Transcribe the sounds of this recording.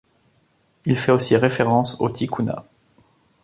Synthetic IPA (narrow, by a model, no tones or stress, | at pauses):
ilfɛosiʁefeʁɑ̃sot̪ʰikuna̰